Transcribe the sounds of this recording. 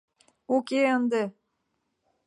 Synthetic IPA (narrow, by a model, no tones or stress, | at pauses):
okeənd̪e